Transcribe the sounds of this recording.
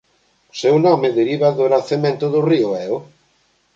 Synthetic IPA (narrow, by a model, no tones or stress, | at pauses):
sewnɔmɪðeɾiβaðʊɾaθemẽnt̪ʊðʊriʊɛʊ